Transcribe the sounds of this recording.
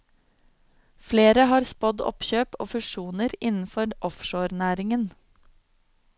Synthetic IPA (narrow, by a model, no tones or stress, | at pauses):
fleːɾəhɑːɾspɔd̪ɔ̰pçøːpʔo̰ːfʉʃuːnəɾɪnn̩fɔɾʔɔfʃoːɾnæːɾɪŋən